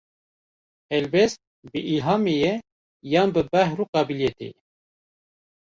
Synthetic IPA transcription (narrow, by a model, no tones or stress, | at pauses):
ɛlbɛst̪̚bɨʔilɦɑːmejɛ | jɑːnbɨbæhɾuːqɑːbiljɛt̪ḛjɛ